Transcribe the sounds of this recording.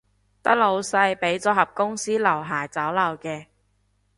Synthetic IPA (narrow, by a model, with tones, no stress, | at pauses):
t̪ɐ˥k̚lo˨˧wsɐ˧jpe˨˥jt͡sɔː˨˥ɦɐ˨p̚kʊ˥ŋsiː˥lɐ˨˩wɦaː˨˩jt͡sɐ˨˥wlɐ˨˩wkɛː˧